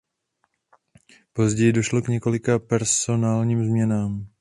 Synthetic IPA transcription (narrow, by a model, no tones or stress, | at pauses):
po̞zɟɛjɪdo̞ʃlo̞kɲɛko̞lɪkapɛɾso̞naːlɲiːmzmɲɛnaːm